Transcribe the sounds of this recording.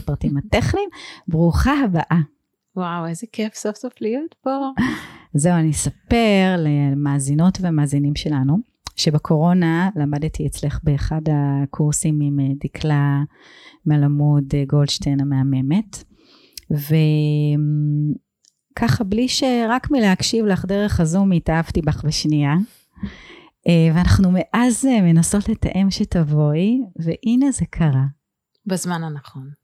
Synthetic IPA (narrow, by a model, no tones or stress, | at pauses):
pʁatimateχnimbʁuχaɦabaʔa | wawezekʰefsofsoflijotpo | ze̞uanisape̞ʁlemaːzino̞tveamaːzinimʃe̞lanu | ʃe̞bekʰo̞ʁo̞nalamadtiet͡sle̞χbe̞ːχadakʰuʁsimimedikʰla | mealamudeɡoldʃtejnameame̞me̞t | vem | kʰaχabliʃeʁakmileakʃivlaχdeʁe̞χazumitaavtibaχbeʃnija | ʔeveanaχnume̞ʔazeme̞naso̞tleta̰ʔe̞mʃetavo̞jveʔine̞zekʰaʁa | bazmananɐχo̞n